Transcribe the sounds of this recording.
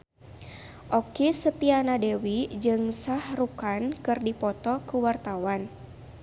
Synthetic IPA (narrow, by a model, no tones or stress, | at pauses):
ʔɔkisət̪ianadewid͡ʒɨŋsahrukankɨrdipɔt̪ɔkuwart̪awan